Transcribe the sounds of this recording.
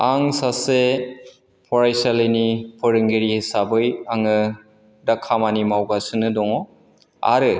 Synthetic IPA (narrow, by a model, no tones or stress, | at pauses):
aŋsase | pʰɔɾajsalenipʰɔɾɯŋɡeɾisabɯjaŋɯ | dakʰːamanimawɡasɯnɯdɔŋɔ | a̰ɾɯ